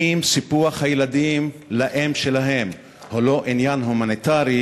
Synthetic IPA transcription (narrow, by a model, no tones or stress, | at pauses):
imsipuaχhajelad̪imlaʔemʃelaɦem | holo̞ʔinjanɦumanit̪aʁi